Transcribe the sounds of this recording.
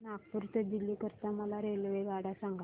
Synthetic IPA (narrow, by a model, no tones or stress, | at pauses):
nak̚puɾt̪əd̪ilːikəɾt̪aməlaɾelʋeɡaɽasaŋɡa